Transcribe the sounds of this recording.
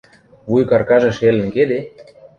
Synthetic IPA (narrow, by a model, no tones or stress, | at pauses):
βujkɑrkɑʒɤ̆ʃelə̆nked̪e